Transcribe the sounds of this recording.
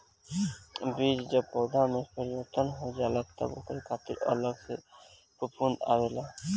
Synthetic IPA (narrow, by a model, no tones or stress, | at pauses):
biːd͡ʒd͡ʒəb̚pɔːd̪ʱamẽpəɾiʋəɾt̪ʰənɦod͡ʒaːlat̪ə̰bʊ̰kɾikʰaːt̪iɾɔ̰ɾləɡse | pəpund̪a̰ʋelaː